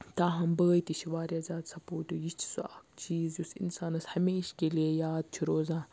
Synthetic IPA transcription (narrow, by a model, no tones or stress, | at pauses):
t̪aːɦɐmbɐɣjt̪iʃiʋaːɾiɐzʲaːd̪sɐpoːʈojit͡ʃʰi̥sua̰kt͡ʃiːzjusḭnsaːnɐshɐmeːʃkeliejaːd̪̚t͡ʃʰuɾoːzaː